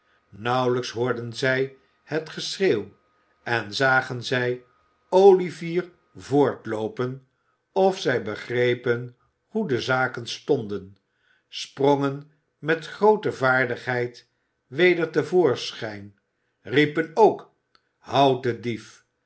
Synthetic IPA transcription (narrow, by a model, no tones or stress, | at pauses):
nʌwləksɦʊːɹdənzɛj | hətχəsrew | ɛnzaːχənzɛj | owliviːɹ | vʊːɹtlowpən | ɔfsɛjbəχrejpən | hudəzaːkənstɔndən | sprɔŋən | mɛtχrowtəvaːɹdəχɦɛjt | ʋejdəɹtəvʊːɹsχɛjn | ripənowk | hʌwtədif